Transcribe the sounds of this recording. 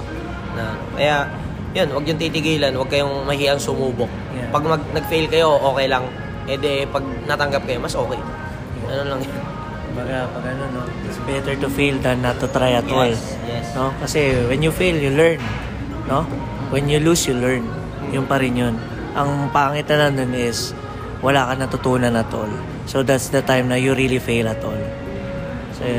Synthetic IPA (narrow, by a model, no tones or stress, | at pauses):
nɐ | kɐ̰ja | jo̞nwɐɡjʊŋt̪iːt̪ɪɡiːlɐnwɐɡ̚kɐjo̞ŋmɐhiːʔɐŋsʊmuːbok̚ | jpɐɡ̚mɐɡ̚nɐɡ̚fejlkɐjo̞ʔo̞ːkɛjlɐŋ | pwɛːd̪ɛpɐɡ̚nɐt̪ɐŋɡap̚kɐjo̞mɐsʔo̞ːkɛjma | ʔɐnonlɐŋjon | kʊmbɐɡapɐɡɐnonːo | ɪt̪sbɛt̪ɛɹt̪ʊfejld̪ɐnːɐt̪ːʊt̪ɾajɐt̪waj | jno̞kɐsɛwɛnjʊfejljʊlɛɹn | no̞ | wɛnjʊlusjʊlɛɹn | jʊnpɐɾɪnjon | ʔɐŋpaʔŋɪt̪ɐnɐnonɪs | wɐlaːkɐnɐt̪ʊt̪uːnɐnɐt̪o̰l | sod̪at̪sd̪ɐt̪ajmnɐjʊɾilifejlɐt̪o̰l | so